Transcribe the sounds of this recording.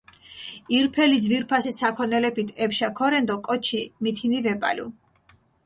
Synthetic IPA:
iɾpʰɛlid̪zviɾpʰasisakʰɔnɛlɛpʰit̪ʰɛpʃakʰɔɾɛnd̪ɔkʼɔt͡ʃʰimit̪ʰinivɛpʼa̰lṵ

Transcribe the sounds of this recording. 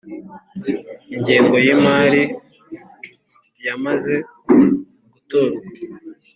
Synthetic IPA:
iɲɟeːŋɡo̞jimaːɾi | jamaze̞ | ɡutoɾa

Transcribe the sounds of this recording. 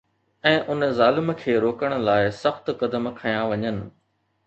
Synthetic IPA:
ɛ̃ːʔʊnzaːlɪm̆kʰeːɾoːkəɽ̃ʊ̆laːɪsɐxt̪kɐd̪əmkʰajãʋɐɲənɪ̆

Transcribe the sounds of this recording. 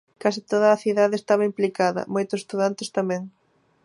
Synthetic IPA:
kasit̪oð̞ɐːθiðaðeest̪aβɐimplikaðɐ̰mojt̪ʊse̥st̪uðant̪ɪ̥st̪amɛ̃ŋ

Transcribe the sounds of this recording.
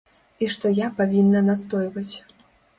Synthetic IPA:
iʂt̪ɔjapavʲinːɐnast̪ɔjvɐt͡sʲ

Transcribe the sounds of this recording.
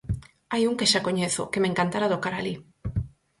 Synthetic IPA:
ajuŋkeʃakoɲeθʊ̰kemẽŋkant̪aɾaðokaɾali

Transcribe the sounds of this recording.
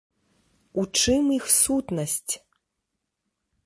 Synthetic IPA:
ut͡ʂɨmixsut̪nɐsʲt͡sʲ

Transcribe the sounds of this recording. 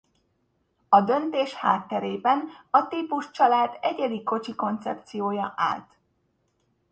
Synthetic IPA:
ɒd̪ø̞nt̪eːʃha̰ːt̪ːɛɾeːbɛnɒt̪iːpuʃt͡ʃɒlaːd̪ɛɟɛliko̞t͡ʃiko̞nt̪sɛ̰p̚t̪sijoːjɒʔa̰ːlt̪

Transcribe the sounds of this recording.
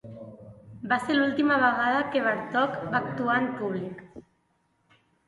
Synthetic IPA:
baselulˠt̪imaβəɣað̞əkeβaɾt̪ɔkbaːkt̪uampuβ̞lik

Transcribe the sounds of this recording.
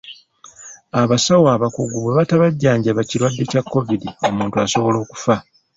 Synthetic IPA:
aβasawaβakuɡuβeβataβaɟːaːɲɟaβaciɾwadːe̞cakːo̞vidio̞muːntuaso̞βo̞lo̞ːku̥fa

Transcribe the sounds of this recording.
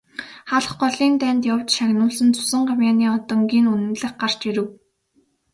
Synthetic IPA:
χaɮə̆χɢɔɮiːnt̪æːnt̪jawt͡ɕʃaɣnʊːɮɘ̆nt͡sʰʊ̥sə̆ɴɢawʲjaːniːɔt̪ɞ̆ŋɡiːnunɘ̆nɮɘ̆χɢar̥t͡ɕiɾɘ̆w

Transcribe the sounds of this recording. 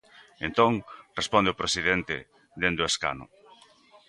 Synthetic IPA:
ẽnt̪oŋrespõnd̪eopɾesiðent̪ɪ̰ | d̪end̪ʊeska̰nʊ̰

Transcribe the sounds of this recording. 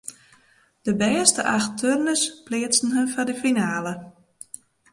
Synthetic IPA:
d̥əbɛːstəʔaxtʰørnəsplɪət͡sn̩ɦənfɔdəfinaːlə

